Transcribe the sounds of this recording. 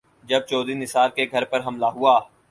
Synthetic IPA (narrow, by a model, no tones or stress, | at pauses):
d͡ʒɐb̚t͡ʃɔːd̪inɪsaːɾkeɡʱɐɾpɐɾɦɐmlaɦʊaː